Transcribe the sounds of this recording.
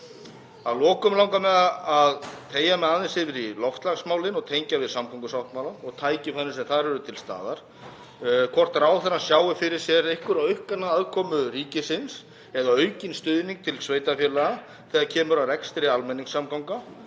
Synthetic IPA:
aðlɔːkʏmlaw̃ŋkamɛðaaðt̪ʰeːjamɛðaðɪnsɪvɪɾilɔft̪laɣsmaːwlɪnɔɣt̪ʰejɲcavɪðsamkʰɔwŋkʏsawht̪mawlaɔɣt̪ʰaːjcɪfanːʏsɛmθaðɾɛɾʏt̪ʰɪlst̪a̰ːðaɾ̥ | kʰvɔr̥t̪aɾaːwθɛnːasjaːwɪfɪɾɪɾ̥sjɛɾejhkʏɾawʏhkanaðaðkʰɔːmʏɾiːcɪsɪns | ɛðaœɥcɪnst̪ʏðniŋk̚t̪ʰɪlsveːjt̪afjɛːlɛɣa | θɛːðacʰɛːmʏɾawrɛkst̪ɪɾɪalmɛnːiŋsːamkawŋka

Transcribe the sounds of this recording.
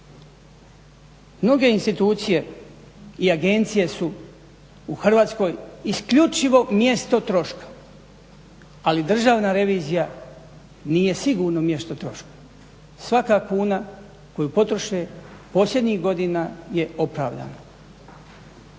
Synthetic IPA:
mno̞ɡe̞inst̪it̪uːt̪sije̞ | iaɡe̞nt̪sije̞su | uxr̩ʋaːt̪sko̞ːjiskʎut͡ʃiʋo̞mje̞st̪o̞t̪ɾo̞ʃkḁ | alid̪r̩ʒaːʋnaɾe̞ʋiːzija | niːje̞siɡuːɾnomje̞st̪o̞t̪ɾo̞ʃkḁ | sʋakakuːna | ko̞jupo̞t̪ɾoʃepo̞slʎʲe̞d̪ɲixɡo̞d̪inaje̞o̞pɾaːʋd̪a̰na

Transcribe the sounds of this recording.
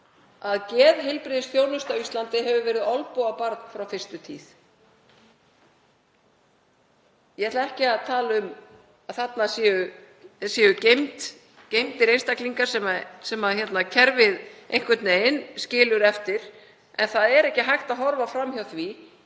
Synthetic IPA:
aðcɛːðɦɪlpɾɪðɪsθjoːwnʏst̪avist̪lant̪ɪɦɛvʏvɛːɾɪðɔlpowapaɾt̪n̥fɾawfɪr̥st̪ʏt̪ʰḭːθ | jɛɛt̪laðɛhcɪaðt̪ʰaːlʏm | aðθat̪nasjɛːʏ | sjɛːʏcejmt̪ | cejmt̪ɪɾejnst̪akliŋkḁsɛmasɛmaðçɛt̪nacʰɛɾvɪðejŋ̥kvɪt̪neɪnscɪːlʏɾɛft̪ɪɾ̥ | ɛnθaðɛɾɛhcɪɦajxt̪aðɦɔɾvafɾamçjawθvi

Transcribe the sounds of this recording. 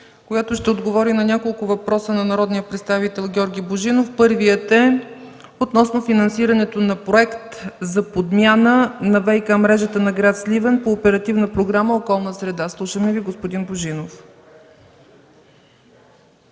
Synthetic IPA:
koɡat̪oʃt̪ɛod̪ɡovɔɾinɐnʲakolˠkʊvɐpɾɔsənɐnɐɾɔd̪nijəpɾɛt̪st̪avit̪ɛlˠɡʲɔɾɡʲiboʒinofpɤɾvijət̪ɛ | ot̪nɔsnofinɐnsiɾɐnɛt̪onɐpɾoɛkt̪zɐpod̪mʲjanənɐvɛjkamɾɛʒət̪ənɐɡɾat̪slivənpoːpɛɾɐt̪ivnəpɾoɡɾaməokɔlˠnəsɾɛd̪aslˠuʃəmɛviɡospʊd̪inboʒinof

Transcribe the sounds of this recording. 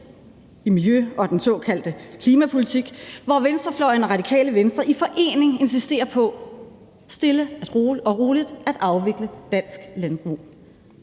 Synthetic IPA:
imiljøɒ̽d̥ensɔ̽ːkʰæl̰d̥əkʰliːmæpʰolit͡sʰiɡ̥ʋɒʋensd̥ʁɐflɒɪnʁɑ̈d̥ikʰɛ̰ːləʋensd̥ʁɐʔifɒ̽ʔe̝̰ːne̝ŋe̝nsisd̥e̝̰ːɐpʰɒ̽ | sd̥e̝ləæd̥ʁoːɒ̽ʁo̝ːlid̥æd̥ʔɑ̈ʊʋe̝ɡ̥ləd̥æn̰sɡ̥lænb̥ʁṵː

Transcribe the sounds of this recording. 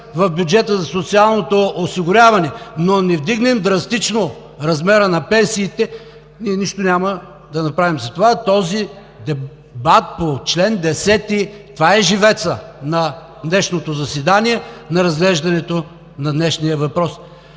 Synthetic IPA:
vɐfbʲjud͡ʒɛt̪əzɐsot̪sialˠnot̪oːsiɡʊɾʲavɐnɛnonɛvd̪iɡnɛmd̪ɾɐst̪it͡ʃno | ɾɐzmɛɾənɐpɛnsiːt̪ɛ | niɛniʃt̪onʲamə | d̪ɐnɐpɾavimzɐt̪ovat̪ɔzi | d̪ɛ | bat̪̚pot͡ʃlɛnd̪ɛsɛt̪it̪ovaɛʒivɛt̪sənɐ | d̪nɛʃnot̪ozɐsɛd̪aniɛnɐɾɐzɡlɛʒd̪ɐnɛt̪o | nɐd̪nɛʃnijəvɐpɾɔs

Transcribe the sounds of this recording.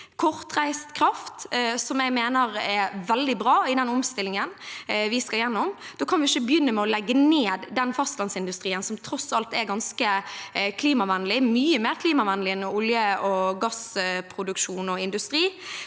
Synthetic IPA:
kʰɔʁt̪ʁæɪst̪kʰɾɑft̪sɔmɛɡmeːnəɾɛʋɛld̪ɪbɾɑːɪd̪ɛnɔmst̪ɪlːɪŋənʋɪskɑljɛnːɔmd̪̥oːkʰɑnʋɪɪçəbjʏnːəmɛɔlɛɡːəneːd̪d̪ɛnfɑst̪lɑnsɪnd̪ʉst̪ɾiːənsɔmt̪ʰɾɔsɑlt̪ɛɡɑnskəkʰliːmɑʋɛnːəlɪmyːəmeːʁkʰliːmɑʋɛnəlɪnɔʊljəɔɡɑspʰɾʊd̪ʉkʃuːnɔɪnd̪ʉst̪ɾiː

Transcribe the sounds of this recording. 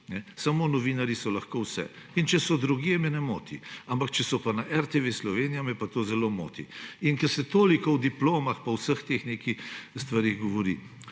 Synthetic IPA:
nɛsamoːnɔʋinaɾjisɔlaxkowsɛ̰ | int͡ʃɛsɔd̪ɾuɡiɛmɛnɛmoːt̪ḭampakt͡ʃɛsɔpanaʔɛɾt̪eʋeslɔʋeːnijamɛpat̪oːzɛlomo̰ːt̪ḭinkɛɾsɛt̪oːlikɔwd̪iploːmaxpɐwsəxt̪eːxneːkixst̪ʋaɾeɣɡɔʋɔɾi

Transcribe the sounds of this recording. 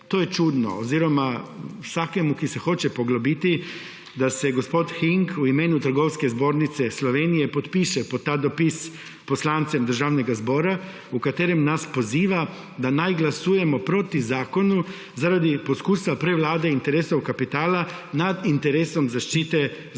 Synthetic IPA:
t̪ojɛt͡ʃuːd̪nɔ̰oziːɾɔmasaːkɛmukisɛxot͡ʃɛpoɡlobit̪i | d̪asɛɡospot̪xiŋkuimeːnut̪ɾ̩ɡowskɛzboːɾnit̪sɛslɔʋenijɛpot̪piːʃɛpt̪ːaːd̪opis | poslant̪sɛmd̪əɾʒaːwnɛɡazboːɾa | ukat̪eːɾɛmnaspoziːʋa | d̪anajɡlasuːjɛmɔpɾoːt̪izaːkonu | zaɾad̪iposkuːsʋapɾɛʋlaːd̪eint̪ɛɾeːsowkapit̪aːla | nad̪int̪ɛɾeːsomzaʃt͡ʃiːt̪ɛ

